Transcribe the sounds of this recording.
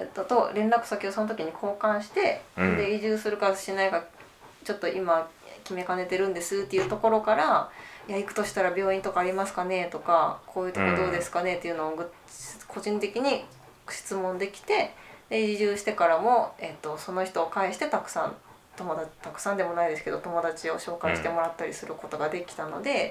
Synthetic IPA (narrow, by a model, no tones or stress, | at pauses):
et̪ːot̪o̞ɾẽ̞nɾakɯ̟̥sakʲioso̞not̪o̞kʲiɲ̟ikʰo̞ːkãɰ̃ɕi̥t̪e̞d̪e̞iʑɨːsɨɾɯ̟kaɕinaiɡa | t͡ɕo̞t̪ːo̞ʔimakʲime̞kane̞t̪e̞ɾɯ̟̃nd̪e̞sɨɯt̪ːejɯ̟t̪o̞ko̞ɾo̞kaɾajaikɯ̟̥t̪o̞ɕi̥t̪aɾabʲo̞ːĩnt̪o̞kaːɾʲimasɨ̥kane̞t̪o̞kakʰo̞ːjɯ̟t̪okod̪o̞ːd̪e̞sɨ̥kane̞t̪ːe̞iɯ̟noːɡɯ | kʰo̞ʑĩnt̪e̞kʲiɲ̟i | ɕi̥t͡sɨmõ̞nd̪e̞kʲi̥t̪e̞d̪ed͡ʑiʑɨːɕi̥t̪e̞kaɾamo̞e̞t̪ːo̞so̞no̞çi̥t̪oːkaiɕi̥t̪e̞t̪akɯ̟̥sã̰n | t̪o̞mod̪ḁt̪akɯ̟̥sãnd̪e̞mo̞naid̪e̞sɨ̥ke̞d̪o̞t̪o̞mo̞d̪at͡ɕio̞ɕo̞ːkaiɕit̪e̞mo̞ɾat̪ːaɾʲḭsɨɾɯ̟ko̞t̪o̞ɡad̪e̞kʲi̥t̪ano̞̰d̪e̞